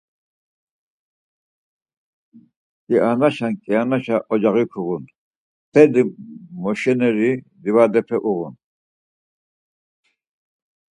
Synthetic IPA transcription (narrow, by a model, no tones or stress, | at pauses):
kʼiʔanaʃankʼianaʃaʔɔd͡ʒaɣikʰuɣun | t̪ʰɛd̪imɔʃɛnɛɾi | d̪ivad̪ɛpʰɛʔuɣun